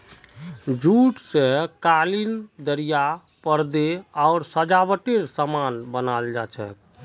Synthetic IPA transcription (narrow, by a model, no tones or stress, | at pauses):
d͡ʒuʈsẽkalind̪əɾija | pəɾd̪eaʊɾsəd͡ʒabəʈeɾsəmanbənald͡ʒat͡ʃʰɛ̰k